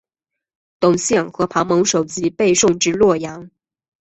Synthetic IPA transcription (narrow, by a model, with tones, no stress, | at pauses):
t̪ʊ˨˩ŋɕjɛ˥˩nxɤ˧˥pʰɑ˧˥ŋmɤ˧˥ŋʂo˨˩ʊt͡ɕi˥pe˥˧ɪʂʊ˥˩ŋʈ͡ʂɻ̩˥lwɔ˥˩jɑ˧˥ŋ